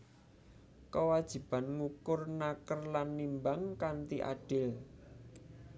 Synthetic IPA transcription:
kəwad̥ʒ̥i̤b̥anŋukʊrnakərlanːimbaŋkant̪iʔa̰ɖ̥ɪl

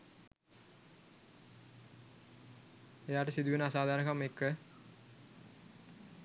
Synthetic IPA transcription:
ejaːʈəsid̪uʋenəasaːd̪ʱaːɾəkamekːə

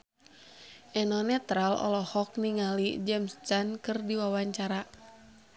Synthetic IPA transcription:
ʔɛnɔnɛt̪ɾalɔ̰lɔhɔk̚niŋalid͡ʒɛmst̪ankɨrdiwawaɲt͡ʃaɾa

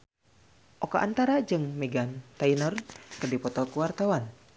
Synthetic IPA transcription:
ʔɔkɔʔant̪aɾad͡ʒɨŋmɛɡant̪ainɔrkərdipɔt̪ɔkuwart̪awan

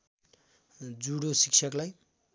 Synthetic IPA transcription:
d͡zuɽosik̚t͡sʰʌklaj

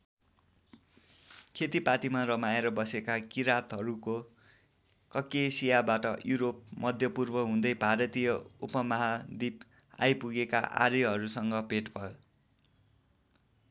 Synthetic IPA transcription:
kʰet̪ipaʈimarʌmaeɾʌbʌsekakiɾat̪ɦʌɾuko | kʌkesijabaʈʌjuɾop̚mʌd̪ʱjʌpurbʌɦũd̪ʌjbʱaɾʌt̪ijʌṵpʌmʌɦad̪ip | a̰jpuɡeka̰ʔa̰ɾeɦʌɾusʌŋɡʌpeʈbʱʌo

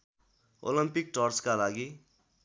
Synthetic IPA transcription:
o̰limpik̚ʈʌrskalaɡi

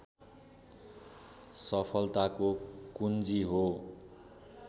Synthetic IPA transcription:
sʌpʰʌlt̪akokund͡ziɦo

